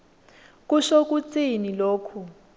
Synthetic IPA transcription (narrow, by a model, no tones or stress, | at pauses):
k̬ʼuʃok̬ʼut͡sʼiniloːkʰu